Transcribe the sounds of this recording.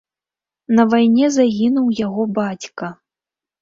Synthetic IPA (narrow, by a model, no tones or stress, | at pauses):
nɐvajnʲɛzaɣʲinuwjaɣɔbat͡sʲkɐ